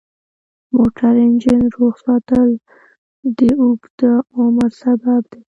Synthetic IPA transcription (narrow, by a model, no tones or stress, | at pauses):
moʈʰaɾɪnd͡ʒɪnɾoɣsɑt̪əl | d̪əukd̪əʊməɾsabab̚d̪e